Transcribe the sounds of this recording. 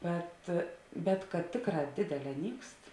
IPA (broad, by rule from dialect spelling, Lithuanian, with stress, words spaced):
ˈbʲɛt bʲɛt kɐt ˈtʲeːkˌrɑː ˈdʲeːdʲɛˌlʲɛː ˈnʲiːkst